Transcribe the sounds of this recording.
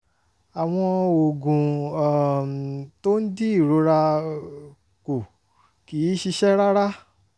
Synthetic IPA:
a˨w̃ɔ̃˧o˨ɡũ˨ | to˦n̩˦di˦i˦˨ɾo˨˦ɾa˧ | ko˨ | ki˨˦ʃi˧ʃɛ˦ɾa˦ɾa˦

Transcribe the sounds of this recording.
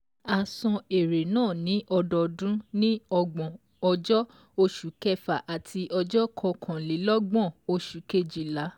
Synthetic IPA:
a˨sɔ̃˧e˨ɾe˨nãː˦˨nĩ˨˦ʔɔ˧dɔ˧dũ˦nĩ˦ɔ˧ɡ͡bɔ̃˨ | ɔ˧d͡ʒɔ˦ | o˧ʃu˨˦kɛ˦fa˨ʔa˨tʰi˧ʔɔ˧d͡ʒɔ˦kʰɔ˧kʰã˨le˨˦lɔ˦ɡ͡bɔ̃˦˨o˧ʃu˨ke˧˨d͡ʒi˨la˨˦

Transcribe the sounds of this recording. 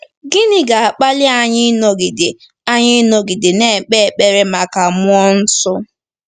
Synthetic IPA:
ɡɪ˦nɪ˦ɡa˨a˨k͡pa˦lɪ˦a˦ɲɪ˦no˦ɡɪ˨dɪ˨ | a˦ɲɪ˦no˦ɡɪ˨dɪ˨ne˦˨k͡pe˦˨k͡pe˨ɾe˦ma˨ka˨mʊ˦ɔ˦n̩˦sʊ˦

